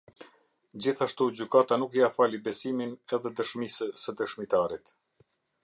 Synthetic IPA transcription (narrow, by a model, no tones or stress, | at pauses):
d͡ʑiθaʃt̪ud͡ʑykat̪anukjafalibɛsiminɛðɛd̪əʃmisəsəd̪əʃmit̪aɾit̪